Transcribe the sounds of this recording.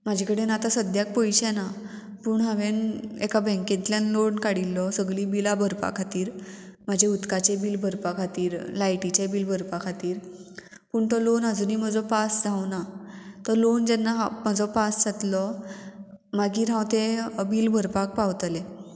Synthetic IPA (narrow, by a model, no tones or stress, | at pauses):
mad͡ʑʱekəɽenat̪asəd̪jak̚pəjɕɛna | puːɳɦãʋenekabɛ̃ŋkẽt̪ljanloɳkaɽilːɔsəɡlibilabʱəɾpa̰kʰat̪iːɾmad͡ʑʱeut̪kat͡ɕebiːlbʱəɾpakʰat̪iːɾlajʈit͡ɕebiːlbʱəɾpakʰat̪iːɾ | puːɳt̪ɔlonad͡zuːniːm̤əd͡zɔpasd͡zʱawnat̪ɔlond͡ʑɛnːaɦməd͡zɔpasd͡zat̪lɔ | maɡiːɾãwt̪ebiːlbʱəɾpak̚pawt̪le